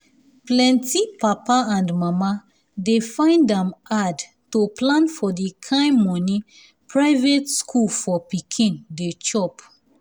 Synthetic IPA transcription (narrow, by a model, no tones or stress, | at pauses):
plɛ̃ntipapaãndmama | defãɪ̃ndãmad | toplãnfɔdikʰãɪ̃mmɔ̃nĩ | pʰɹaɪvetskʰulfɔpikʰĩndet͡ʃɔp